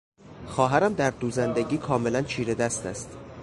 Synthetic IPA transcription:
xɒːɦæɾæmd̪æɾd̪uːzænd̪eɟiːkʰɒːme̞lænt͡ʃʰiːɾe̞d̪æst̪æ̰st̪

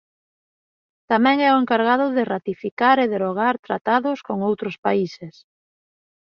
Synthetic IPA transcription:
t̪amɛ̃ŋɛʊeŋkaɾɣaðʊðɪrat̪ifikaɾeðeɾoɣ̞aɾt̪ɾat̪aðʊskoŋowt̪ɾʊspaises

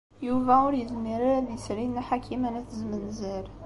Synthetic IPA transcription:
juvæʊɾjəðmiɾaɾæðisɾinːæħakʰimænæθəzmənzəɾ

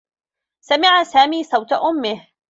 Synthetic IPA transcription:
samɪʕasaːmiːsˤɑwt̪aʔʊmːɪh

